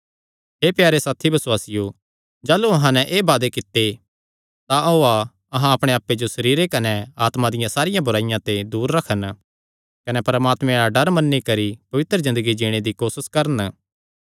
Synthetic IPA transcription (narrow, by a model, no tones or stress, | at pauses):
ɦeːpjaːɾesaːt̪ʰibɐswaːsɪjo | d͡ʒaːluɐɦãnɛʔeːbaːd̪ekɪt̪ːe | t̪aoa | ɐɦãɐpɽ̃eaːpːed͡ʒosɐɾiːɾekɐnɛaːt̪mãd̪ɪjãsaːɾɪjãbʊɾaːɪjãt̪ed̪uːɾːɐkʰən | kɐnɛpɐɾmaːt̪mẽɭaɖɐɾmɐnːikɐɾipɐʋɪt̪ɾəzɪ̃nd̪əɡid͡ʒiːɽ̃ed̪ikoːsəskɐɾən